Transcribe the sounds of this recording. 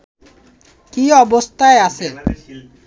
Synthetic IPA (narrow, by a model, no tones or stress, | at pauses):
kiɔbost̪ʰaease